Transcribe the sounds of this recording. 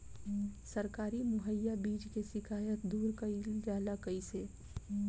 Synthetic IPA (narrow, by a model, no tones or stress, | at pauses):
səɾkaːɾimʊɦəjːabiːd͡ʒkesɪkʰaːjət̪d̪uːɾkəid͡ʒaːlakəise